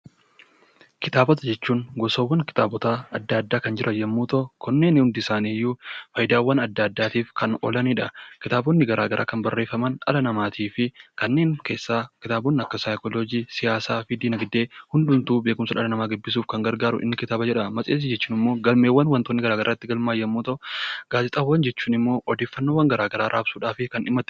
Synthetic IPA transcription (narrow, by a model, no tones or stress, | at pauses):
kɪt̪aːbɔt̪ɐd͡ʒɛt͡ʃːuːnɡɔsoːwːɐŋkɪ̥t̪aːbɔt̪aːɐd̪ːaɐd̪ːaːkɐnd͡ʒɪɾʔɐjɛmːuːt̪ɔkɔnːe̞ːnhʊnd̪ɪsaːniːjːufɐjd̪aːwːɐnɐd̪ːaːd̪ːaːt̪iːfkɐnɔ̰lɐniᶑɐkɪt̪aːbonːɪɡɐɾaːɡɐɾʔa̰ːkɐnbɐrːe̞ːfːɐmɐnᶑɐ̰lɐnɐmaːt̪ʰiːfɪkɐnːe̞ːŋke̞ːsːaːkɪt̪aːboːnːɪɐkːɐsajkɔlɔd͡ʒiːsɪjaːsaːfɪd̪iːnɐɡd̪eːhʊnd̪ʊnt̪uːbeːkʊmsɐᶑɐlɐnɐmaːɡɪbːɪs̬uːfkɐŋɡɐɾɡaːɾʊ̰ʔɪ̰nːɪkɪt̪aːbɐd͡ʒɛᶑɐmɐsʼeːs̬ɪd͡ʒɛt͡ʃːuːnɪmːo̞ːɡɐlmeːwːɐnwɐnt̪oːnːɪɡɐɾaːɡɐɾaːɪt̪ːɪɡɐlmaːjːɐmːuːt̪ɐʔʊɡ̥aːzɪt̪ʼɐwːɐnd͡ʒɛt͡ʃːuːnɪmːo̞ːʔɔd̪eːfːɐnːoːwɐŋɡɐɾaːɡɐɾaːɾʔaːbsuːᶑaːfɪkɐnɪmːɐt̪